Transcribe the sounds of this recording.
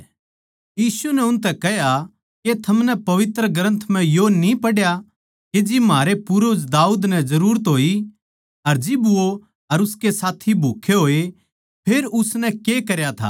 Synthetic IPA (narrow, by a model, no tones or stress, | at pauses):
jiːsunɛʊnt̪ɛkɐɦja | ket̪ʰɐmnɛpɐʋɪt̪ɾəɡɐɾə̃nt̪ʰm̤ɛ̃jonĩpɐɽja | ked͡ʒimaːɾepʊɾʊd͡ʒd̪aːuːd̪nɛ̃zɐɾuːɾət̪ɦoːi | ɐɾd͡ʒɪbʋo | ɐɾʊskesaːt̪ʰibʱuːkʰeɦoːe | pʰeːɾʊsnɛ̃kekɐɾjat̪ʰa̰ː